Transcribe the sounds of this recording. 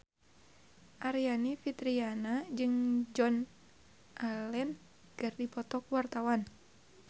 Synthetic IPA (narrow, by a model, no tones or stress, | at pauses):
ʔaɾianifit̪ɾianad͡ʒɨŋd͡ʒɔn | ʔalɛn | ɡ̥ɨrdipɔt̪ɔkwart̪awan